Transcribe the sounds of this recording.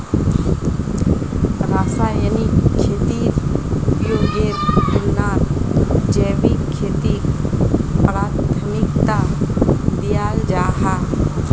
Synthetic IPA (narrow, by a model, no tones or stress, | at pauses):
ɾaːsaːjənikʰːeːt̪iɾjoːɡeɾdɪlnaːɾd͡ʒeːʋikkʰːeːt̪i | pɾaːt̪ʰəmɪkt̪a | d̪ijaːld͡ʒaːɦaː